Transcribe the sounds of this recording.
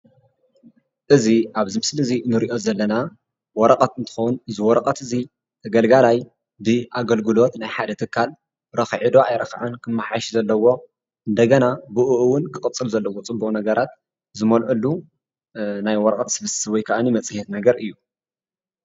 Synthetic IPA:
ʔɨziʔaβzɨmɨslɨzinɨɾiʔo̞zɐlːɐna | wɔɾɐqʼɐt̪ɨnt̪ʰɨ̥xɐwnɨzɨwɔɾɐqʼɐt̪ɨzi | t̪ʰɐɡɐlɡalaj | bɨʔaɡɐlɡɨlo̞t̪najħad̪ɐt̪ʰɨkʰːal | ɾɐxʕid̪o̞ʔajɾɐxʕankʰɨmːaħaʃizɐlːɐwo̞ | ʔɨnd̪ɐɡɐnabɨʔuʔɨwʊnkʰɨkʼɨt͡sʼːɨlzɐlːɐwot͡sʼɨmbunɐɡɐɾat̪ | zɨmɐlʕulːu | najwɔɾɐkʼɐt̪sɨβɨssɨβɔjkʰaʔanimɐt͡sʼɨhet̪nɐɡɐɾɨjːu

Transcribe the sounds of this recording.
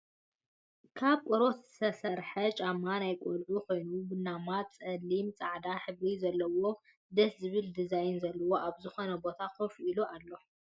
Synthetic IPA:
kʰaβkʷʼɔɾo̞t̪ɨsɐsɐɾħɐt͡ʃʼamːanajkʼolʕukʰo̞jnubɨnːamat̪t͡sʼɐlːimt͡sʼaʕd̪aħɨβɾizɐlːɐwo̞ | d̪ɐszɨβɨld̪ɨzajnzɐlːɐwo̞ʔaβzɨxo̞nɐbo̞t̪ʰakʰofiluʔalːo̞

